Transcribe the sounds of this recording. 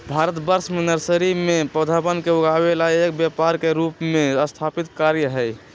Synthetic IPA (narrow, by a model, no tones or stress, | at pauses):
bʱaɾət̪bəɾsmenəɾsəɾimepɾəd̪ʱabənkeuɡabelaek̚bjapaɾkeɾupmeəst̪ʰapit̪kaɾjəɦəj